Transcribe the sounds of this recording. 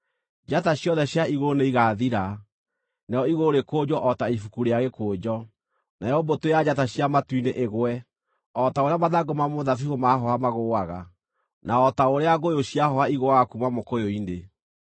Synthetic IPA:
d͡ʒataɕjɔðɛɕjaiɣoneiɣaðiɾa | naɔiɣoɾekoːd͡ʒɔʔɔtaifukuɾeaɣekoːd͡ʒɔ | najɔbotojad͡ʒataɕjamatwineʔeɣwɛ | ɔtaoɾeamaðaɡomamoðafihomaɦɔamaɣoaɣa̰ | naɔtaoɾeaɣojoɕjaɦɔaiɣowakumamokojoine

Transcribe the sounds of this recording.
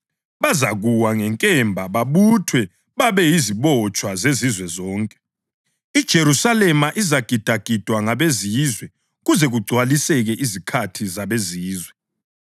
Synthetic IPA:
βazaɣuwaŋɛŋkʼɛmbʱaβaβutʰwɛ | βaβɛjiziβɔt͡ʃʼwazezizwɛzɔːŋkʼɛ̥ | id̥ʒ̥ʱeɾusalɛmaʔizaɡ̥ʱid̥ʱaɡ̥ʱid̥ʱwaŋaβeziːzwɛ | ɣuzɛɣuɡ͡ǀʱwalisɛɣɛʔizikʰatʰizaβeziːzwɛ

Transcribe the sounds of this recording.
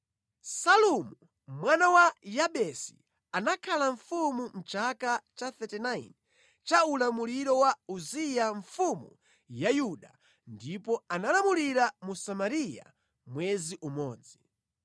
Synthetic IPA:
salumu | mwanawajaɓɛsi̥̰ | anakʰalaɱfumum̩t͡ʃakat͡ʃaθɛtɛnaj̰n | t͡ʃaulamuliɾɔwauzijaɱfumṵ | jajuɗa | ndipɔanalamuliɾamusamaɾija̰ | mwɛziʔumɔːd͡zi

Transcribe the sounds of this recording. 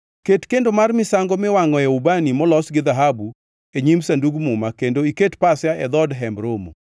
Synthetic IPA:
ketkendomarmɪsaŋɡɔmɪwaŋɔjaubanimɔlɔsɡɪd̪aɦabu | eɲimsanduɡmʊmakendoiketpasjaʔɛd̪ɔdɦɛmbɾomo̰

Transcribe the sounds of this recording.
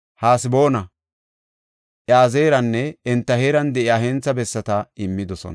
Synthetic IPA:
haːsɪbo̞ːnɐ | ʔjaːzeːɾɐnːɛɛnt̪ːɐheːɾɐnd̪ɛʔɪaːɦeːnt͡sːɐbɛsːɐt̪ɐɪmːɪd̪ɔsɔ̰n

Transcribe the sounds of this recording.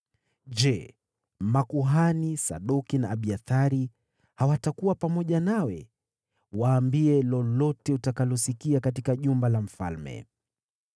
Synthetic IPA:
ʄɛ | makuɦanisa̰ɗukinaːɓiaθaɾi | hawatakuwapamɔʄanawɛ | waːmbiɛlɔlɔtɛutakalɔsikiakatikaʄumbalam̩fa̰lmɛ̰

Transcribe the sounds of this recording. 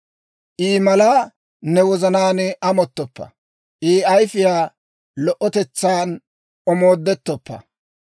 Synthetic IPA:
ʔiːmɐlaː | nɛwɔzɐnaːnɪʔɐmɔt̪ːɔpːɐ̰ | ʔiːɐjfɪjaː | lɔʔɔt̪ɛt͡sːaːn | ɔmo̞ːd̪ːɛt̪ːɔpːɐ̰

